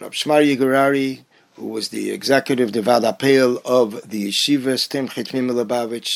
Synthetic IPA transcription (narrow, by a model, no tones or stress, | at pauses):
ɾa̰b̥ʃmaɾjɪɡəɾaɾi | hṵvɔzdɪ̰ɛ̰ɡzɛkjəɾɪvdəvadapʰeɪlˠɔvðəjɪʃivəstʰɪmχɪtmɪməlˠəbavɪt͡ʃ